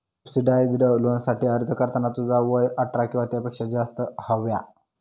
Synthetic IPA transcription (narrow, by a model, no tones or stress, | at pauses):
subsiɖajd͡zɖəlonsaʈiːəɾd͡zʱəkəɾt̪ənat̪ud͡zaʋəjəʈɾakĩʋat̪japekʂad͡zast̪əhəʋja̰